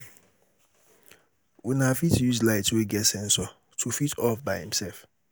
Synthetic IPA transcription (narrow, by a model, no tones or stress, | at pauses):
winafitjuzlaɪtweɡɛtsɛ̃nsɔ | tʰufitʰɔfbaɪhḭ̃msɛlf